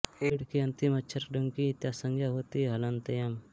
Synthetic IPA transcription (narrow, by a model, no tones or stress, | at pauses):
eɽkiɐ̃nt̪imɐt͡ʃʰɐɾɖɐŋkit̪jasəŋɡʱjaɦoːt̪iɦɐlɐnt̪ɐjɐm